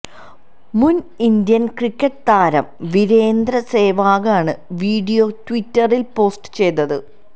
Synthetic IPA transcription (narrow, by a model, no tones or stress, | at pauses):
munind̪jɐnkrikʲːɐʈːɨt̪aːɾɐ̰mʋiɾe̞ːnd̪ɾɐse̞ːʋaːɣaːɳɨʋiːɖijo̞twitːɐrilpo̞ːsʈɨ̥t͡ɕe̞jt̪ːɐðɨ̰